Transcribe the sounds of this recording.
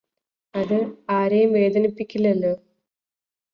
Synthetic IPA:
ɐðɨaːɾɐjmʋe̞ːd̪ɐnipːikʲːilːɐlːo

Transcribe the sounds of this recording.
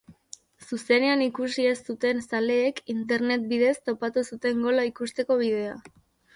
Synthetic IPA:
suse̞ne̞anikusie̞st̪ut̪e̞nsale̞ːkint̪e̞ɾne̞t̪̚biðe̞st̪o̞pat̪usut̪e̞ŋɡo̞laikust̪e̞ko̞β̞ið̞e̞a̰

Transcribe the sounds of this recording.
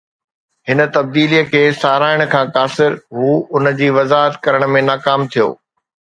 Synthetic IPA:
ɦɪnə̆t̪ɐb̚d̪iːlijəkʰeːsaːɾaːɪɽ̃kʰãːkaːsɪɾɦuːʊnə̆d͡ʑiːʋɐzaːɦət̪kɐɾəɽ̃̆mẽnaːkaːmt̪ʰijo̰ː

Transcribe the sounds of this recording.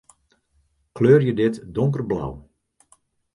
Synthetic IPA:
kʰløːrjədɪtdoŋkərbla̰w

